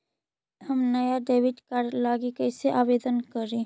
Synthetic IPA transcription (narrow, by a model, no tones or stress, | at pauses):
ɦəmnɐjaɖeːʋɪd͡ʒkaɾlaːɡikəjseʔaːʋeːd̪ənkəɾĩː